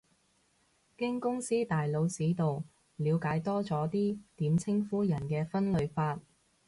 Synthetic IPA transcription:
kɪ˥ŋkʊ˥ŋsiː˥t̪aː˨jlo˨˧wsiː˨˥t̪o˨w | liː˨˧wkaː˨˥jt̪ɔː˥t͡sɔː˨˥t̪iː˥t̪iː˨˥mt͡sʰɪ˥ŋfuː˥jɐ˨˩nkɛː˧fɐ˥nlɵ˨˧ɥfaː˧t̚

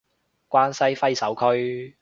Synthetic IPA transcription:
kʷaː˥nsɐ˥jfɐ˥jsɐ˨˥wkʰɵ˥ɥ

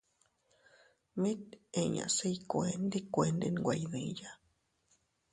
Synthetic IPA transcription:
mĩ˦t̪e˧ɲã̰˨se˦jkoend̪i˦kʷe˧nd̪e˧nɡʷajðĩ˧ja

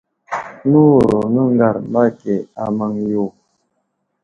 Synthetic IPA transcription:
nu˦˨ɾo˨ŋə˦ŋ˦ɡa˨ɾmba˦ke˨a˨ma˦ŋjo˦˨

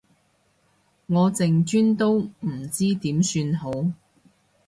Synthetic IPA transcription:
ŋɔː˨˧t͡sɪ˨ŋt͡ʃyː˥nt̪o˥wm̩˨˩t͡siː˥t̪iː˨˥msyː˧nɦo˨˥w

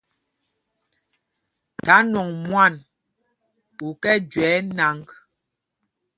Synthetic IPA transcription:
ta˨˦nɔ˨ŋmwa˦˨n | u˨kɛ˦d͡ʒwɛː˨˦na˨˦ŋk

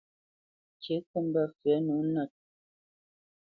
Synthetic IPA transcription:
ke˨˦ku˦˨mba˦˨fɛ˨˦nu˨˦na˨t̚

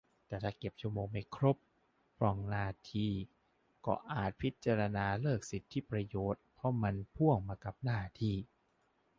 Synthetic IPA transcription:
t̪ɛː˨˩t̪ʰaː˧˩ke˨˩p̚t͡ɕʰu˥˩əmoː˧ŋma˧˩jkʰɾo˦˥p̚ːʰ | ɾɔ˧˩ŋnaː˧˩t̪ʰiː˧˩ | kɔ̰ː˧˩ʔaː˨˩t̪̚pʰi˦˥t̪̚t͡ɕa˧ɾa˧naː˧lɤː˥˩k̚si˨˦t̪ʰːi˦˥pɾa˧joː˨˩t̪̚pʰɾɔ˦˥ma˧npʰu˥˩əŋmaː˧ka˨˩p̚naː˥˩t̪ʰiː˥˩

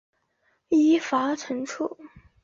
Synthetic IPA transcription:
i˧˥fa˧˥ʈ͡ʂʰɤ˧˥ŋʈ͡ʂʰu˥˩

